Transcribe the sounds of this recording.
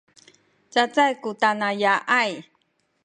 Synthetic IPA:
t͡sat͡sajkutanajaʔaj

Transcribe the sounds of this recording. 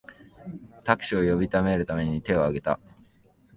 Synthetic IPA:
t̪akɯ̟̥ɕio̞jo̞bʲit̪ame̞ɾɯ̟t̪ame̞ɲ̟it̪e̞o̞aɡe̞t̪a̰

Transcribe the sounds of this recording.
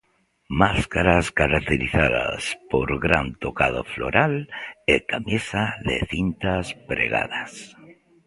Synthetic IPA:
maskaɾaskaɾak̚t̪eɾiθaða̰spoɾɣɾant̪okað̞ofloɾʔalekamjesaðḛθint̪aspɾeɣa̰ðas

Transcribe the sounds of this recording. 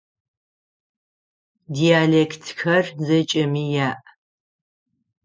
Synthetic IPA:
diaːlekʰtʰxɐrzɐt͡ʃʼɐmiːjaːʔ

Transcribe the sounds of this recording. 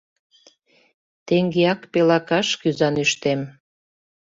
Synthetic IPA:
t̪eŋɡeɑkpelɑkɑʃkyzɑnyʃt̪em

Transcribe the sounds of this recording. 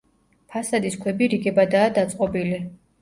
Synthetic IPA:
pʰasad̪iskʰwɛbiɾiɡɛbad̪aːd̪at̪sʼqʼɔbili

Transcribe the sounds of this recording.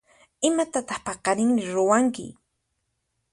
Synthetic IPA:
ɪmat̪at̪ɑχpɑqɑɾɪŋmɪɾʊwaŋkɪ̰

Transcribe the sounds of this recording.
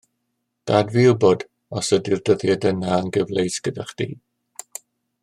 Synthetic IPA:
d̥adviʊbɔd | ɔsədɪrdəðjɛdənaənɡəvlejsɡ̥ədaχd̥ḭː

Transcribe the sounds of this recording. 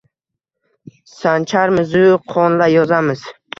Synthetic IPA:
sant͡ʃʰaɾmɪzʊqʰɒnlajɒzamɪz̥

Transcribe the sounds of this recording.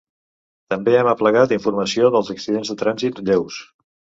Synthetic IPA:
t̪əmbeɛməpləɣat̪iɱfuɾməsioðəlˠzəksiðenzðət̪ɾanzit̪ʎews

